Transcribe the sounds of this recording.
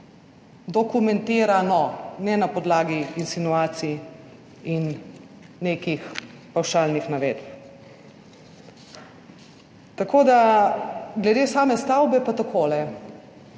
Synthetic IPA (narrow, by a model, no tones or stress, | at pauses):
d̪ɔkumɛnt̪eːɾanɔnɛnapɔd̪laːɡiinsinuaːt̪si | inː | eːkix | pawʃaːlnixnaʋeːd̪p | t̪akoːd̪a | ɡlɛd̪eːsaːmɛst̪awbɛpat̪akʰoːlɛ